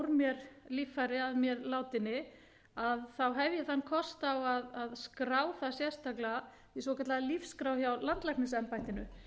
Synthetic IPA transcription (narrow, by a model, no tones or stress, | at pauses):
ɾmjɛɾlifːajɾɪaðmjɛɾlaːwt̪ɪnːɪ | aðθawɦɛvjɪθanːkʰɔst̪awaðaðskɾaːwθasjɛ̥st̪akla | isvɔkat̪laðɪlifsːkɾawçawlant̪lajknɪs̬ɛmpajht̪ɪnʏ̰